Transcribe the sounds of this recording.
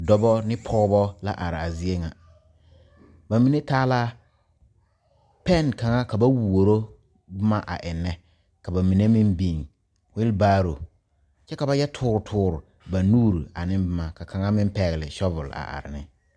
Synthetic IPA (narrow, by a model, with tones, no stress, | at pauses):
dɔ˦bɔ˦nɪ˦pʰɔ˦ɣbɔ˦la̰˦ʔa˨ɾɪ˨a˨zi˦e˦ŋa˨ | ba˨mi˨ne˦taː˦laː˦ | pɛ˦˨nka˨ŋa˦ka˨ba˦wu˨wo˨ɾo˦ | bʊ˦ma˦ʔa̰˨ʔɪ˨nːɛ˦ | ka˨ba˨mi˨ne˦mɪ˦mbi˦˨ŋ | wɪ˦lbaː˦ɾo˨ | t͡ʃɛ˦ka˨ba˦jɛ˦tʰʊː˦ɾʊ˨tʰʊː˦ɾʊ˨ | ba˨nuː˦ɾi˨a˨nɪ˦mbʊ˦ma˨ka˨kʰa˨ŋa˦mɪ˦mpɛ˨ɣɪ˨lɪ˨ʃɔ˦vʊ˨la̰˨ʔa̰˨ɾɪ˨nɪ˦